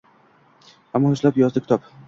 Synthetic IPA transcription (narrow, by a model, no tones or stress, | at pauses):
amːɒhʊʃlapjɒzd̪ɪkʰʲɪ̥t̪ɒp